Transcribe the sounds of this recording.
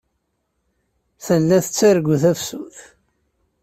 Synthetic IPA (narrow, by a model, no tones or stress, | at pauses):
θəlːæθət͡sːæɾɡʷuθæfsuθ